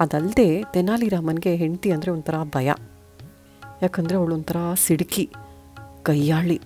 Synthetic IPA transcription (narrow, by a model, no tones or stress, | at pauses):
ɐd̪ɐld̪e̞ːt̪enːaːliɾamɐnɡe̞ɦeɳt̪iɐnd̪ɐɾe̞ont̪ʰɐɾɐbʱɐjɐ̰ | jaːkɐnd̪ɐɾeɐʋɐɭont̪ʰɐɾɐsiɽki | kɐjːaːɭi